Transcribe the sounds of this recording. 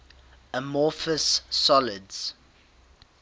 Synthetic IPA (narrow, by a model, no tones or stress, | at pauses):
əmɔːˑfəsːɔlɪdz̥